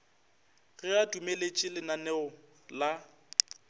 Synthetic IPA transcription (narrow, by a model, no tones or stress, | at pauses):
ɣɪadumelet͡ʃʼɪlɪnanɛɔ | la